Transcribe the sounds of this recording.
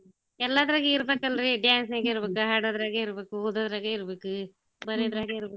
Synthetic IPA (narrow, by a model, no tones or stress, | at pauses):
ɛlːaːd̪ɐɾaːɡeiɾɐbeːkɐlːɐɾiɖjaːnsneːɡɐiɾɐbeːkuɦaːɽɐd̪ɐɾaːɡɐiɾɐbeːkuoːd̪ɐd̪ɐɾaːɡɐiɾɐbeːku | bɐɾiɐd̪ɾaːɡɐiɾɐbe